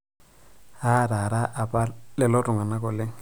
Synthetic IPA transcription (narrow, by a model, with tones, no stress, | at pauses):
a˦ɾa˨ɾa˦ʔa˨pʼa˦lɪ˦˨lɔ˦tʼʊ˨ŋa˨na˦kɔ˨le˦ŋ̩